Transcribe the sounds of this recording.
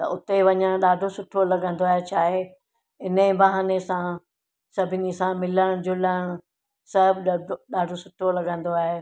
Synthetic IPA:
t̪ɐ̰ʔʊt̪eʋɐɲəɽ̃ɗaːɖʱosʊʈʰolɐɠə̃nd̪oaːɦet͡ɕʰaːɦe | ɪnəĩbɐɦaːnesã | sɐbʱɪnɪsãmɪləɽ̃d͡ʑʊləɽ̃ʊ | sɐɦbʱɪɗaːɖʱosʊʈʰolɐɠə̃nd̪oaːɦe

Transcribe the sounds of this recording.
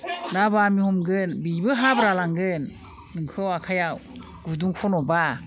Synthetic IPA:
nabamihɔmɡɯnbibɯɦabɾalaŋɡɯnː | ɯŋkʰɯwakʰajaw | ɡ̥uduŋkʰɔnɔba

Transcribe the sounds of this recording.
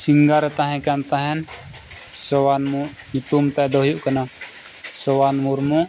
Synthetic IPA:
siŋɡaɾɛt̪aɦɛ̃kant̪aɦɛn | sɔwaːnmũ | it̪umt̪ad̪ɔɦjuʔkɐna | sɔwanmuɾmũ

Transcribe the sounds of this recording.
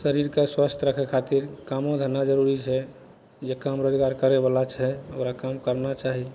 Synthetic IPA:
səɾiɾkeswast̪ʰɾəkʰekʰat̪iɾkamõd̪ʱənːad͡ʒəɾuɾit͡ʃʰɛ | d͡ʒekamɾod͡ʒɡaɾkəɾeβalat͡ʃʰɛoɾakamkəɾnat͡ʃaɦi

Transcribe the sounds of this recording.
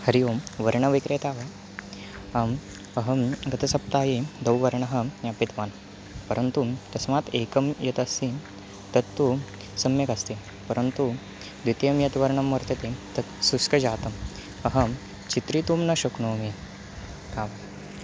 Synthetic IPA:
hɐɾijoːmʋɐɾɳɐʋikɾeːt̪aːʋa | am | ɐɦɐmɡɐt̪ʰɐsɐp̚t̪aːjed̪ɐwʋɐɾɳɐɦɐnjapit̪ʋaːn | pɐɾɐnt̪ut̪ɐsmaːt̪eːkɐmjɐt̪ɐsiː | t̪ɐt̪ːu | sɐmjɐkɐst̪iː | pɐɾənt̪u | d̪ʋit̪jɐmjɐt̪ʋɐɾɳɐmːɐɾt̪ɐt̪et̪ɐt̪suskɐd͡ʑaːt̪ɐm | ɐɦɐ | t͡ɕit̪ɾit̪umnɐɕuknoːme | kaːʋa

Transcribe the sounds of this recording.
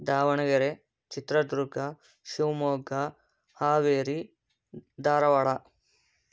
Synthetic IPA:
d̪aːʋɐɳɐɡɐɾe | t͡ʃit̪ɾɐd̪ɾuɡɐ | ʃuwmoːɡɐ | haːʋeːɾi | d̪aːɾɐʋɐɽɐ

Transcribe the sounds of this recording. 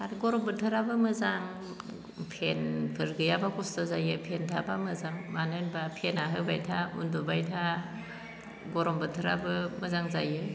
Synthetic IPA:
aɾɡɔɾɔmbɯtʰɯɾabɯmɯzaŋ | pʰenpʰɯɾɡɯjabakʰɔstazajɯpʰentʰabamɯzaŋmanɯnbapʰenaɦɯbajtʰaṵndubajtʰa | ɡɔɾɔmbɯtʰɯɾabɯmɯzaŋzajɯ

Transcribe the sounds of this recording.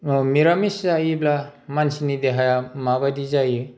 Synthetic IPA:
miɾamiszajiblamansinideɦajamabadizaju

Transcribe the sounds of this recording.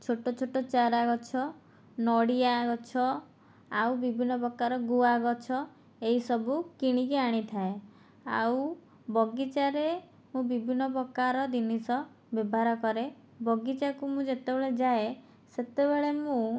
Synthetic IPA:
t͡ʃʰoʈot͡ʃʰoʈɔt͡ʃaɾaɡɔt͡ʃʰɔ | nɔɽijaɡɔt͡ʃʰɔ | awbibʱinːɔpɾɔkːaɾɔɡuaɡɔt͡ʃʰɔ | eisɔbʱukiɽ̃ikiaɽ̃it̪ʰae | a̰w | bɔɡit͡ʃaɾe | mũbibʱinːɔpɔkːaɾɔd̪inisɔ | bebʱaɾɔkɔɾe | bɔɡit͡ʃakumũd͡ʒet̪ebeɭed͡ʒae | set̪ebeɭemũ

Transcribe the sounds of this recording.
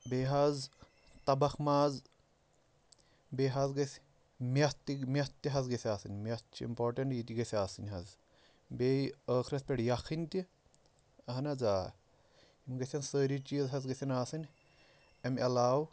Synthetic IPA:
beːɦaz | t̪ɐbɐkʰmaːz | beːɦɐzɡɐsʲ | mʲɐt̪imʲɐt̪ːiɦɐzɡesʲiaːsɨnʲmʲɐt̪̚t͡ʃʰiḭmpoːɾʈɐɳʈjit̪iɡɐsʲaːsɨnʲɦɐz | beːjəːkʰɾɐspʲeɽjɐkʰinʲt̪i | ɐɦɐnɐd͡zaː | imɡɐsʲɐnsəːɾit͡ʃizɦɐzɡesʲɐnaːsɨnʲ | emelaːw

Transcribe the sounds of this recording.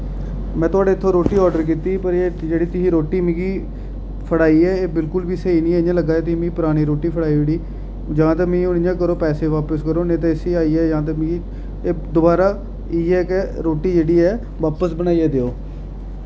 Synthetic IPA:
mɛ̃ːt̪ʊaːɖeːt̪ʰːõːɾoːʈiːɔːɖəɾkiːt̪iːpəɾeːd͡ʒeːɽiːt̪ʊsĩːɾoːʈiːmĩːɡiː | pʰəɽaːiːɛːeːbɪlkʊlbiːsəiːnĩːɛjãːləɡaːeːt̪ʊiːmĩipʊɾaːɽ̃iːɾoːʈiːpʰəɽaːiːeːɽiː | d͡ʒaãːt̪aːmĩːʊñɪjãːkəɾoːpɛːseːʋaːpəskəɾoːnẽːt̪̬ãːɪsiːaːiːɛːd͡ʒãːt̪̬ãːmĩɡiː | eːd̪ʊbaːɾaː | iːɛːkeɾoːʈiːd͡ʒeːɽiːɛː | ʋaːpəsbəñaːiɛːd̪eːoː

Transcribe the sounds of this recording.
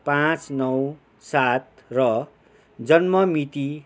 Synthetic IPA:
pãt͡snʌw | sat̪̚ | rʌ | d͡zʌnmʌmit̪i

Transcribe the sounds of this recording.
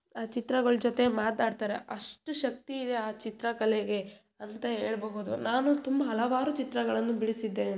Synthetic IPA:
aːt͡ʃit̪ɾɐɡɐɭd͡ʒot̪e̞maːt̪aːɖt̪aːɾe̞̰ʔɐʂʈuʃɐk̚t̪iːd̪e̞aːt͡ʃit̪ɾɐkɐleɡe̞ | ɐnt̪ɐɦeːɭbɐɦud̪unaːnut̪umbɐɦɐlɐʋaːɾut͡ʃit̪ɾɐɡɐɭɐnːubiɭisid̪ːe

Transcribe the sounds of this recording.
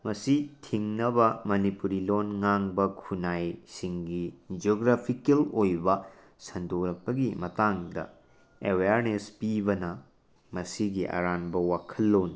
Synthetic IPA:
mɐsitʰiŋnɐbɐmɐnipuɾilonŋaŋbɐkʰunajsiŋɡid͡ʒoɡɾapʰikelojbɐ | sɐndoɾɐk̚pɐɡimɐtaŋdɐ̰ | eweaɾnespibɐnɐ | mɐsiɡiʔɐ̰ɾanbɐwakʰɐlːon

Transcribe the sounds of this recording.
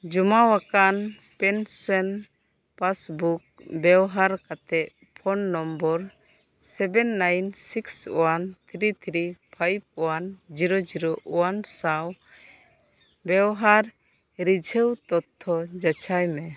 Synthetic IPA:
d͡ʒumawakan | pɛnsɔn | pasbuk̚bɛwɦaɾkat̪ɛʔ | pʰɔnːɔmbɔɾ | sɛbɛnːajnsiksɔwant̪ʰɾit̪ʰɾipʰajb̚ɔwand͡ʒiɾɔd͡ʒiɾɔʔɔwansaw | bɛwɦaɾ | ɾid͡ʒʱɛwt̪ɔt̪ʰːɔd͡ʒat͡ʃʰajmɛ

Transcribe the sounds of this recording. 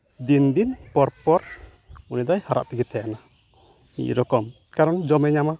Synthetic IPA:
d̪ind̪inpɔɾpɔɾ | unid̪ajhaɾa̰ʔt̪ɛɡit̪ʰɛjana | ḭʔɾɔkɔm | kaɾɔnd͡ʒɔmɛɲama

